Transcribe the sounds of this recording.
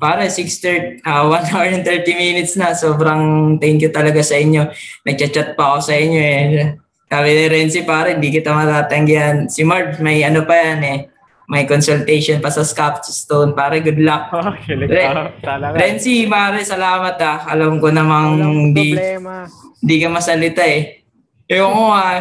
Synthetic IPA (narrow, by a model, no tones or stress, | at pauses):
paːɾɐsikst̪ɛʔɐwanhawnt̪ɛɹt̪iminɪt̪̚snɐsoːbɾɐŋt̪ɐɪnkot̪ɐlɐɡasɐʔɪɲjo̞nɐɡ̚t͡ʃɐt͡ʃat̪̚pɐɐko̞sɐʔɪɲːo̞ɛ | saːbɪnɛɾɛnsipaːɾɐʔɪnd̪ikɪt̪ɐmɐt̪aːt̪ɐŋɡjansɪmaɹbmɐjʔɐnopɐjanɛ | mɐjkonsʊlt̪ɛjʃonpɐsɐskap̚st̪onpaːɾɐɡʊd̪lak̚ɛ | ɾɛnsimɐaɾɛsɐlaːmɐt̪aɐlɐmkonɐmaŋnd̪i | ɪnd̪ikɐmɐsɐlɪt̪aɛ | oŋoa